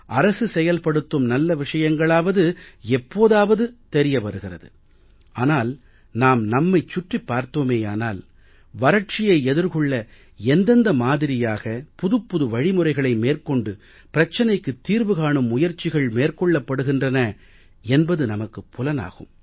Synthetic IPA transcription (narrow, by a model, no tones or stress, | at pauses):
ʔɐɾɐsɯsɛjɐlpɐɽɯt̪ːɯmnɐlːɐʋɪʂɐjɐŋɡɐɭaːʋɐðɯɛpːoːðaːʋɐðɯt̪ɛɾɪjɐpɐɾɯɣɪrɐ̰ðɯ̰ | aːnaːl | naːmnɐmːɐɪt͡ʃːʊʈripːaːɾt̪oːmeːaːnaːl | ʋɐɾɐʈ̚t͡ʃɪjɐɪɛðɯɾkɔɭːɐ | ɛnd̪ɐnd̪ɐmaːðɪɾɪjaːɣɐpʊðɯpːʊðɯʋɐɻɪmɯrɐɪɣɐɭɐɪmeːrkɔɳɖɯ | pɪɾɐt͡ʃːɐnɐɪkːɯt̪ːiːɾʋɯɣaːɳɯmːʊjɐɾt͡ʃɪɣɐɭmeːrkɔɭːɐpːɐɽɯɣɪndrɐnɐ | ɛnbɐðɯnɐmɐkːɯpːʊlɐna̰ːɣɯ̰m